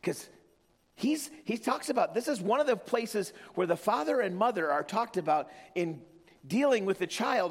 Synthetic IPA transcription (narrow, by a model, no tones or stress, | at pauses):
kʰʌz̥ | hiz̥hitʰɔksɨbaʊt̪̚ðɪsɨzwʌ̃nʌvðɨpʰl̥eɪsɨzwə˞ðɨfɑðə˞ɨ̃nmʌðə˞ə˞tʰɔk̚tɨbaʊɾɨ̃n | dilˠɪ̃ŋwɨðɨt͡ʃʰaɪlˠd